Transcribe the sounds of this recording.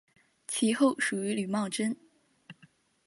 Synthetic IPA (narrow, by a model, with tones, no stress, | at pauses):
t͡ɕʰi˧˥xo˥˩ʊʂu˨˩y˧˥ly˨˩mɑ˥˩ʈ͡ʂə˥n